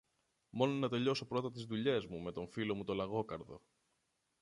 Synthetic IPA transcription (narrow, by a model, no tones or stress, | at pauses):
mo̞no̞nɐt̪e̞ʎo̞so̞pɾo̞t̪ɐt̪izðuʎe̞zmume̞t̪o̞ɱfilo̞mut̪o̞lɐɣo̞kɐɾðo̞̰